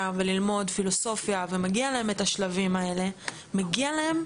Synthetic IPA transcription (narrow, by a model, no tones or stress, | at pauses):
ave̞lilmo̞dfilo̞so̞fjave̞maɡialae̞me̞taʃlavimae̞le̞ | maɡialae̞m